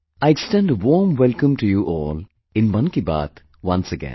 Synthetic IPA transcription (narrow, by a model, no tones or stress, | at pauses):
aɪeksʈɛ̃nɖəʋɔːmʋɛlkə̃mʈujuʔɔːl | ɪ̃nmʌ̃nkiba̰ːt̪ | ʋʌ̃nsəɡɛ̰̃n